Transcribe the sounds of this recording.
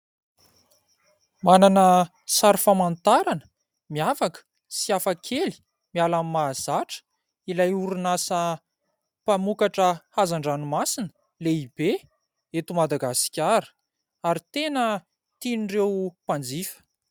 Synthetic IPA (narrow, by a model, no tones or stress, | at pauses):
mananə | saɾufamant̪aɾanə̥ | miafakə̥ | siafakʰeli̥ | mialamimaːz̥aʈ͡ʂə̥ | ilajuɾunasə | pamukaʈ͡ʂəhazaɳɖ͡ʐanumasinə̥ | leib̥e | et̪umad̪aɡasi̥kʲaɾə̥ | aɾit̪enə | t̪inrewpand͡zifə̥